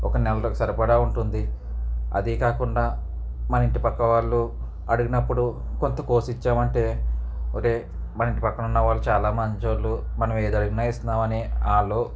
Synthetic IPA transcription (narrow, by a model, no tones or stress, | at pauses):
ɔkɐnɛlɐlokɐsɐɾɐpɐɽaːuɳʈund̪i | ɐ̰d̪ikaːkuɳɖaː | mɐnɐiɳʈipɐkːɐʋaːɭːu | ɐɽuɡinɐpːuɽu | ko̞nt̪ɐkoːsit͡ʃːaːmɐɳʈe̞ːoːkeː | mɐnɐiɳʈipɐkːɐnunːɐʋaːɭːut͡ʃaːlaːmɐɲt͡ʃoːlːumɐnɐme̞ːd̪ɐɽuɡinaːist̪unaːmɐniaːloː